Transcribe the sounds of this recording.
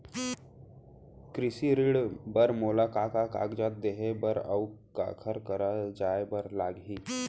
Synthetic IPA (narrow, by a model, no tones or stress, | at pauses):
kɾɪsiɾɪɽbəɾmoːlakakaka̰ːɡd͡ʒaːt̪̚d̪eːɦebəɾə̰ʊka̰ːkʰəɾkəɾad͡ʒaːebəɾlaːɡɦiː